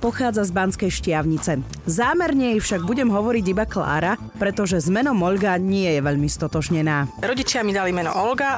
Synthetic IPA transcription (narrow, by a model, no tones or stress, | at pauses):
pɔxaːd͡zazbanskɛjʃcɪaʊɲit͡sɛ | zaːmɛɾɲɛjfʃaɡ̚buɟɛmɦɔʋɔɾiɟibakla̰ːɾa | pɾɛt̪ɔʒɛzmɛnɔmɔʎɡaɲɪɛjɛʋɛʎmist̪ɔt̪ɔʒɲɛnaːɾɔɟit͡ʃɪamid̪alimɛnɔ̰ʔɔlɡa